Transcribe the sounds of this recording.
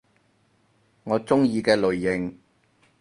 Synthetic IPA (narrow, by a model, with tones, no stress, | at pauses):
ŋɔː˨˧t͡sʊ˥ŋjiː˧kɛː˧lɵ˨ɥːɪ˨ŋ